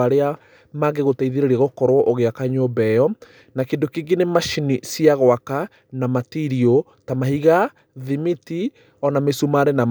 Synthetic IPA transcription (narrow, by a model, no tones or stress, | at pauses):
aɾea | maɡeɣotaiðeɾeɾiaɣokɔɾwɔʔoɣeakaɲobɛjɔ | nakendokeɡinemaʃinisiaɣwaka | namatiɾio | tamaɦiɣa | ðimiti | ɔnamesumaɾenam